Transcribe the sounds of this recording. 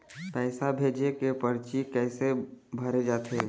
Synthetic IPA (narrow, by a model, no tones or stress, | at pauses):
pɛːsabʱeːd͡ʒekepəɾt͡ʃikɛːsebʱəɾed͡ʒaːt̪ʰeː